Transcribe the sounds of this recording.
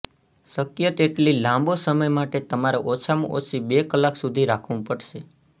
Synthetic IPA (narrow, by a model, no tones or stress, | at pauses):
səkjət̪eʈlilãmbosəməjmaʈet̪əmaɾaʔot͡ʃʰamṵ̃ʔo̰t͡ʃʰibekəlːaksud̪ʱiɾakʰʋũpəɽʃe